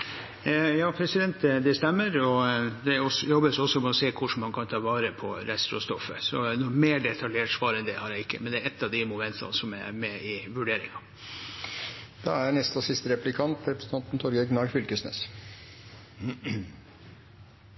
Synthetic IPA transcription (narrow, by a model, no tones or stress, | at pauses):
jɑːpʰɾɛsɪd̪ɛnt̪d̪d̪ɛst̪ɛmːəɾɔd̪ɛɔsjɔbːəsɔsːɔmɛɔseːkʰʊʂmɑnkʰɑnt̪ʰɑːʋɑːɾəpʰɔɾɛst̪ɾɔ̰st̪ɔfːə̰sɔnɔmeːɖɛt̪ʰɑljeːʈsʋɑːɾɛnd̪ɛhɑɾæɪɪkːəmɛnd̪ɛːɾɛt̪ːɑʋd̪ɪmʊmɛnt̪ʰɑ̰nsɔmæ̰ɾmɛɪʋʉɖeːɾɪ̰ŋɑ | d̪̥ɑ̰æɾɳɛst̪ɔsɪst̪əɾɛplɪkʰɑnt̪ɾɛpɾɛsə̥n̩ʰɑnt̪n̩t̪ʰɔɾɡəɡnɑɾfʏlkəsnḛːs